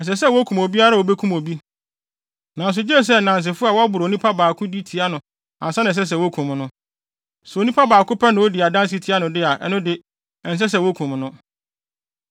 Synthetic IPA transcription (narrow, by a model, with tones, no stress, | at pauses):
ɛ˨s̬ɛ˨sɛ˦˨wo˦kʰũ˨mo˨bi˦a˦ɾa˦˨wo˨be˦kʰũ˦mo˨bi˦ | nã˨n˨s̬ʊ˨d͡ʑɛ˦˨s̬ɛ˦˨nã˨n˨s̬ɪ˨fʊ˦a˨wɔ˦a˦bʊ˨ɾnĩ˦pʰa˦baː˨kʰʊ̃˦di˦tʰi˨a˦nʊ̃˨ | ã˨sɛ˦nɪ̃˨s̬ɛ˦s̬ɛ˨wo˦kʰũ˨m˨nʊ̃˦ | sʊ˨o˨nĩ˦pʰa˦baː˨kʊ˦pʰɛ˦nɪ̃˨wo˦di˨a˨dã˦n˦s̬i˦tʰi˨˦a˦nʊ̃˨dɪ˦a˨ʔɛ˦nʊ̃˦dɪ˦ | ɛ˨n˨s̬ɛ˦s̬ɛ˨wo˦kʰũ˨m˨nʊ̃˦